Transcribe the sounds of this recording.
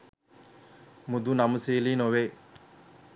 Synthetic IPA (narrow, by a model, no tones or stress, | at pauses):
mud̪unaməsiːliːnoʋeː